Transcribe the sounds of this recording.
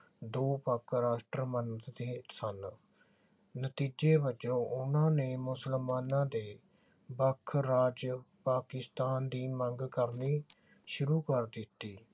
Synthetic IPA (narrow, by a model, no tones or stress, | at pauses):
d̪oːpəkʰɾaːʃʈɾəmənt̪d̪eːsən | nət̪iːd͡ʒeːbəd͡ʒõːʔʊnãːneːmʊsəlmaːnãːd̪eː | bəkʰɾaːd͡ʒpaːkɪst̪aːnd̪iːməŋɡkəɾniː | ʃʊɾuːkəɾd̪ɪt̪ːiː